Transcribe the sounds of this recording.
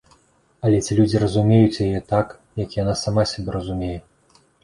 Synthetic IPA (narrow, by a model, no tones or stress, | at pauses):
ɐlʲɛt͡sʲilʲud͡zʲirɐzumʲejut͡sʲjajɛt̪ak | jɐkjanasamasʲabʲɛrɐzumʲejɛ